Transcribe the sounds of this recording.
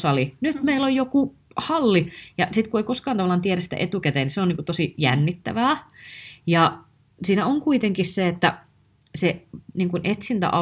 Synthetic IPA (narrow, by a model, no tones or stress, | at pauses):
sɑlinyt̪meilojjoku | hɑlːijɑsit̪kueikoskɑːnɑʋɑlːˑɑːnt̪ieɾæsit̪æ̰ʔet̪ukæt̪eːniseoniːŋkut̪osijæ̰nːit̪ːæ̰ʋæː | jɑ | siːnæoŋkuit̪eŋkisseet̪ːæ | seniːŋkunʔet̪sint̪æ̰ʔɑ